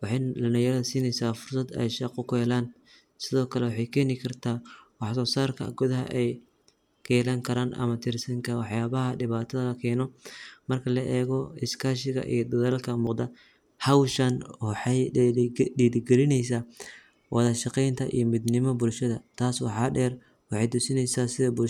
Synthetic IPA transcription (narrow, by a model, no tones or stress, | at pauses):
wɑħɑjlɐnɐjɐɾɐðsiːnɛjsaːfʊrsɐd̪ɛ̰jʃɑqʊkʰʊɛlaːn | sɪðɔːkʰɐlɛwɑħɑjkʰɛːnɪkʰɐrt̪ʰaːwɑħsɔːsaːrkʰɐ̰ɡʊðɐɦɐ̰ʔɛj | kʰɛːlaːŋkʰɐɾaːnʔɐ̰mɐt̪ʰɪrsɐŋkʰɐwɑħjaːβɐɦɐɖɪβaːt̪ʰɐðɐlɐkʰɛːnɔmɐrkʰɐlɐʔɛːɣɔɪskʰaːʃɪɣɐ̰ʔḭjɔd̪ɐðɐlkʰɐmuːqd̪ɐ | hɐwʃɐnwħɑj | ɗiːðɪɡɛɾɪnɛjs̬aː | wʔɑðɐʃɑqɛjnt̪ʰɐʔḭjɔmɪd̪nɪmɔbʊlʃɐðɐt̪ʰaːswɑħɑːɖɛːr | wɑħɑjd̪ʊsɪnɛjsaːsɪðɐbʊ